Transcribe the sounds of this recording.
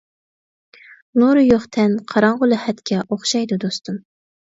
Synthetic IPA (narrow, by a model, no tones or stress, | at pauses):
nuɾʊjoχt̪ʰɛnqʰɑɾɑɴʁʊlˠɨhɛt̪kʲʰɛʔoχʃɑjd̪ud̪ost̪ʰum